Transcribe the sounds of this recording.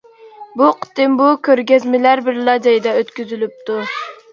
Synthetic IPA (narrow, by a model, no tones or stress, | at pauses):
buqʰə̥t̪ɨmbukʲʰøɾɡʲɛzmɪlæɾbɪɾlɑd͡ʒɑjd̪ɛøt̪kʲyzylyp̚t̪ʰu